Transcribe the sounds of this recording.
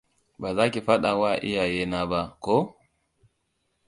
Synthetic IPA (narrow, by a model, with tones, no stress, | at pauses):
ba˨za˦ki˨fa˦ɗa˨wa˦˨ʔḭ˦ja˨jɛ˨na˨ba˨kɔ˦